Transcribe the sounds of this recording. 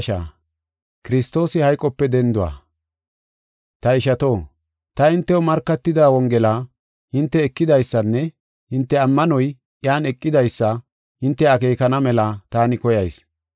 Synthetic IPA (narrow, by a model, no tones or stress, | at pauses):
ʃa̰ | kɪɾɪst̪o̞ːsɪhɐjkʼːɔpːɛd̪ɛnd̪ʊwa̰ː | t̪ɐɪʃɐt̪o̞ː | t̪ɐɪnt̪ːɛwɔmɐɾkːɐt̪ːɪd̪aːwɔŋɡɛlaː | hɪnt̪ːɛːkːɪd̪ɐjsːɐnːɛ | hɪnt̪ːɛɐmːɐnɔj | jaːnɛkʼːɪd̪ɐjsːɐ | hɪnt̪ːɛɐkeːkɐnɐmɛlɐt̪aːnɪkɔjɐjs